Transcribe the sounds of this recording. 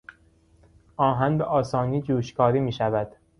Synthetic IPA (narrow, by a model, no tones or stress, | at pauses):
ʔɒːɦænbeʔɒːsɒːniːd͡ʒuːʃkʰɒːɾiːmiːʃævæd̪̥